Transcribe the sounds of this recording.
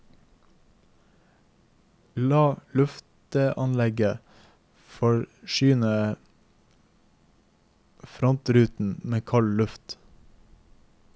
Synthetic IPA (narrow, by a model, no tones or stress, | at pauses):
lɑːlʉft̪əʔɑnlɛɡə | fɔɹʃyːnə | fɾɔnt̪ɾʉːt̪n̩meːkʰɑllʉft̪